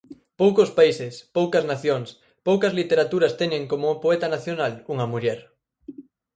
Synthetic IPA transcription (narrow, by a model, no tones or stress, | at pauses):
powkospaisɪspowkɐznaθjoŋs | powkɐzlit̪eɾat̪uɾɐst̪ɛnẽŋkomopoɛt̪anaθjonaluŋɐmuʎɛɾ